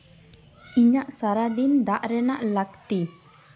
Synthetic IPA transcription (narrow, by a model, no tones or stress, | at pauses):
iɲaʔsaɾad̪ind̪aʔɾɛnaʔlakt̪i